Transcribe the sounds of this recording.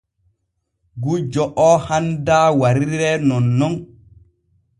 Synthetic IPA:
ɡud͡ʒɔʔɔhandaːwaɾiɾɛnɔnːɔn

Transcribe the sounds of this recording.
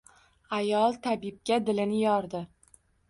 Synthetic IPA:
ajɒlˠt̪ʰabɪb̚kʲad̪ɪlɪnɪjɒɾd̪ɪ

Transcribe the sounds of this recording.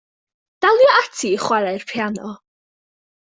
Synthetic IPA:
d̥alˠjɔatʰiχwaɾɛrpʰjanɔ̰

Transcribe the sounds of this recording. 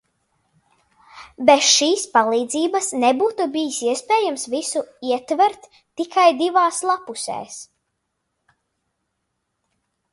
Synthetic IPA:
betʃiːspalˠiːd̪ziːbɐsnɛbuːt̪ubijisiɛspɛːjamsvisuiɛt̪vɛɾt̪ː | ikʰajd̪ivaːslˠapusɛ̰ːs

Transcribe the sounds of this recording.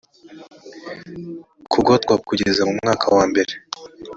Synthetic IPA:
kʰuɡotkwakuɟe̞zamumŋaːkʰawaːmbe̞ɾe

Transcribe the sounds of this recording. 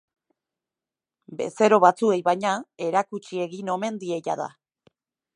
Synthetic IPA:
be̞̰se̞ɾo̞βat͡sue̞jβajɲae̞ɾakut͡ʃie̞ɣino̞me̞nd̪ie̞jaða̰

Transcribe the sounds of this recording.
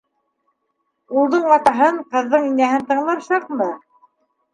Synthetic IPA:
ulˠðɤɴɑt̪ɑɦɤɴqɤ̆ðːɤɴinæhɘnt̪ɤ̆ɴlˠɑɾʃɑqmɤ

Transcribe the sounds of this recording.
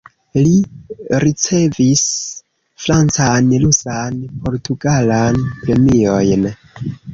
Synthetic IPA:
liɾit͡se̞vis | fɾant͡sanlusanpʰo̞ɾtuɡalanpɾe̞mio̞jn

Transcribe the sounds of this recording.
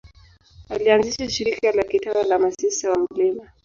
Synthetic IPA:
alianziʃaʃiɾikalakitanalamasisawam̩lɛma

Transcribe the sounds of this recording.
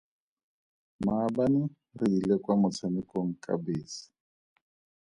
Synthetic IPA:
maːbanɪ | riːlɛkwamʊt͡sʰamɪkʼoŋ̩kʼa̰beːsi̥

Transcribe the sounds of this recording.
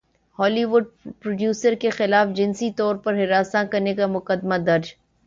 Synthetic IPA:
hɔːliʋʊɖ̚pɾoɖjuːsəɾkexɪlaːfd͡ʒɪnsit̪ɔːɾpɐɾɦɪɾaːsãkɐɾnekamʊqəd̪mad̪ɐɾd͡ʒ

